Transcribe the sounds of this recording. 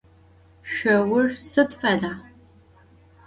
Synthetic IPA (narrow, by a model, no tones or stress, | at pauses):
ʃʷɐwʊrsɨtfʼɐɮaː